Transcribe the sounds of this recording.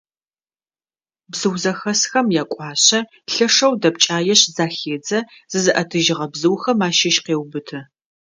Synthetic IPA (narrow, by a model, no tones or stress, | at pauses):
bzɨwzɐxɐsxɐmjaːkʷʼɑːɕɐ | ɬɐʂɐwdɐp̚t͡ʃʼaːjɛɕzaːxeːd͡zɐ | z̥ɨzɨʔɐtʰɨʒɪʁɐbzɨwxɐmaːʃɪʃqeːwbɨtʰɐ